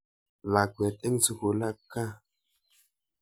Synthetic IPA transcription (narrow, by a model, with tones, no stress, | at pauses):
la˨kʷe˨te˦ŋsu˨ku˨la˦kːa˦